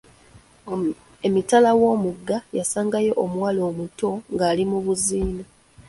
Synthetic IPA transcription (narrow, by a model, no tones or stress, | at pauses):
e̞mitalawo̞ːmuɡːajasaːŋɡajo̞ʔomwalo̞ːmuto̞ŋɡaːlimuβuziːna